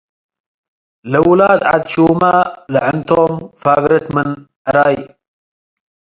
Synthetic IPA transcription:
ləwlaːd̪ʕa̰d̪ʃuːmaləʕənt̪oːmfaːɡɾət̪mən | ʕɾaːj

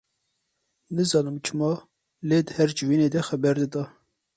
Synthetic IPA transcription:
nɨzɑːnɨmt͡ʃʰɨmɑː | leːd̪əhɛɾd͡ʒɨviːneːd̪ɛxɛbɛɾd̪ɨd̪ɑː

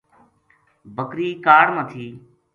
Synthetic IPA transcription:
bəkɾiːkaːɽmət̪ʰiː

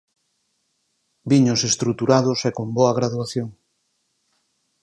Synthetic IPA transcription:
biɲʊsest̪ɾut̪uɾaðʊsekomboɐɣ̞ɾaðuaθjoŋ

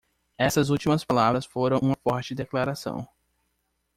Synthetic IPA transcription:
ɛsɐzut͡ʃimɐspalavɾɐsfoɾɐ̃w̃ũmɐfɔɾt͡ʃɪd̪eklaɾasɐ̰̃w̃

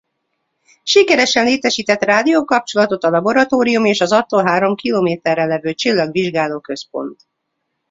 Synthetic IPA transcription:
ʃikɛɾɛʃɛnleːt̪ɛʃiːt̪ɛt̪raːd̪ioːkɒp̚t͡ʃo̞lɒt̪o̞t̪ɒlɒbo̞ɾɒt̪oːɾijumeːʃɒzɒt̪ːolɦaːɾo̞mkiloːmeːt̪ɛrːɛlːɛvøːt͡ʃilːɒɡʋiʒɡaːloːkø̞spo̞̰nt̪

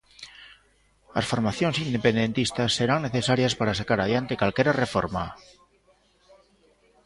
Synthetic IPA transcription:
a̰sfo̞ɾmaθjonsind̪epend̪e̞nt̪ist̪asːeɾaŋneθesaɾjaspaɾasakaɾaðjant̪ekwalkeɾarefo̰ɾma

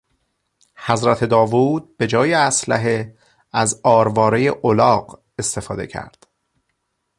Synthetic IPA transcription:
hæzɾæt̪ʰe̞d̪ɒːvuːd̪̥̚b̥e̞d͡ʒɒːjeæslæɦe | æzɒːɾvɒːɾe̞jeʔolɒːɢ | e̞st̪e̞fɒːd̪e̞̰cʰæ̰ɾd̪̥

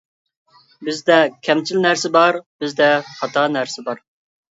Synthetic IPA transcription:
bɪzd̪ɛkʲʰɛmt͡ʃʰilnæɾsɪbɑɾb̥ɪzd̪ɛχɑt̪ʰɑnæɾsɪbɑɾ

